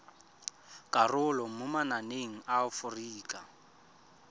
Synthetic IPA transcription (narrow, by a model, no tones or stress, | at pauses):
kʼarʊlɔmʊmananeŋ̩aʊfʊriːkʼa